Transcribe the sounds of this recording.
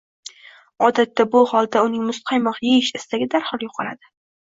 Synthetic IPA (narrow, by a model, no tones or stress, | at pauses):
ɒd̪at̪ːabʊhɒlˠd̪aʊnɪŋmʊst̪̚qʰɑjmɒqjeɪʃɪst̪aɡʲɪd̪aɾhɒlˠjoqʰɑla̰d̪ɪ